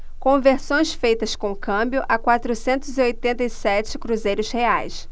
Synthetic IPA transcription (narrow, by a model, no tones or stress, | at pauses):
kõveɾsõj̃sfejt̪ɐskõkʰɐ̃mbjʊʔakwat̪ɾʊsẽnt̪ʊziojt̪ẽnt̪ɐjsɛt͡ʃɪ̥kɾuzejɾʊsheajs